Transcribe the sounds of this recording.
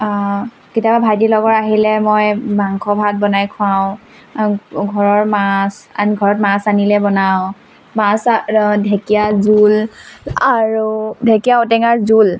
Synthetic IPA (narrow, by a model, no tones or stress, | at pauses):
kitiababʱajdilɔɡɔɹaɦilɛmɔjbaŋkʰɔbʱat̚bɔnajkʰʊ̃aʊ̃ | ɡʱɔɹɔɹmasaniɡʱɔɹɔtmasanilɛbɔnaʊ̃ | masdʱekijazulaɹudʱekijaɔtɛŋaɹzul